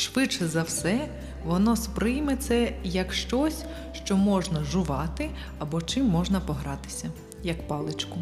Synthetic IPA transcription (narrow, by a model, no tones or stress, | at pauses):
ʃʋɪt͡ʃɛzɐwsɛ | ʋɔnɔspɾɪjmet̪sɛjɐkʃt͡ʃɔsʲ | ʃt͡ʃɔmɔʒnɐʒʊʋɑt̪ɪ | ɐbɔt͡ʃɪmːɔʒnɐpɔɦɾɑt̪ɪ̥sʲɐ | jɐkpɑlˠɪt͡ʃkʊ